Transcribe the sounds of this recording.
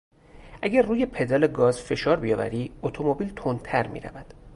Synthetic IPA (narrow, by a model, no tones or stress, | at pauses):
ʔæɟærruːje̞pʰe̞d̪ɒːleɡɒːzfe̞ʃɒːɾbijɒːvæ̰ɾiːot̪ʰomobiːlt̪ʰont̪ʰæɾmḭːɾæ̰væd̪̥